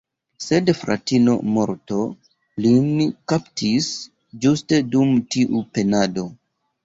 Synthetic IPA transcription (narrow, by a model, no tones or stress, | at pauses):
se̞dfɾa̰tino̞̰mo̞ɾto̞ | linkaptʰis | d͡ʒuste̞dumtiʔupe̞nado̞